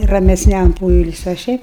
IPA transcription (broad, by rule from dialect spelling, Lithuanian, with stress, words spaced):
rɐmʲɛsʲˈnʲɛm ˈpoːɪlʲsʲʊɪ oː ˈʃʲɛɪp